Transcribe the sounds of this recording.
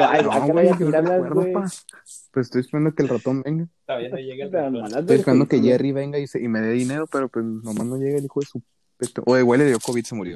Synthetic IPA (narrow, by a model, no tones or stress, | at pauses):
aawekweɾðopas | pwesest̪ojespeɾand̪okelrat̪o̞nbeŋɡa | ojespeɾand̪okeʝeriβe̞ŋɡaiseime̞ðeðine̞ɾo̞pe̞ɾopwesnomazno̞ʝeɣaelixoðesu | pet̪oʔoðewalejokoβit̪semuɾjo̞